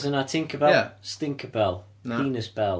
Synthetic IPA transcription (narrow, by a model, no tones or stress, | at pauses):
zə̃natʰɪ̃ŋkəbɛstɪ̃ŋkʰəbɛlˠ | iːnəzbɛlˠ